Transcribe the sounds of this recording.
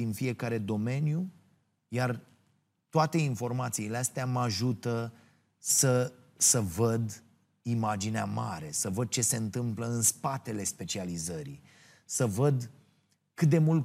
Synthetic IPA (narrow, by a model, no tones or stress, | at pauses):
infie̞kaɾe̞d̪o̞me̞nju | jar | t̪oat̪e̞info̞rmat̪siːleast̪eamaʒut̪ə | sə | səvəd̪ | imad͡ʒineamaɾe̞səvəd̪̚t͡ʃe̞se̞ɨnt̪ɨmpləɨnspat̪e̞le̞spe̞t͡ʃializəɾḭ | səvəd̪ | kɨt̪̚d̪e̞mult̪